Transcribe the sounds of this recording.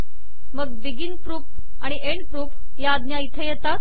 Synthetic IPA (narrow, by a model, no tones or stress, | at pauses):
məɡb̪iɡinpɾuːp | aɽ̃iʔeɳɖpɾuːf | jaːd̪njait̪ʰəjɛt̪a